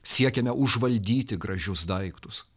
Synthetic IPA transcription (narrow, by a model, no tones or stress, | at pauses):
sʲiɛkʲɛmʲɛʔʊʒʋɐlʲd̪ʲiːt̪ʲɪɡɾɐʒʲʊsd̪ɐɪkt̪ʊs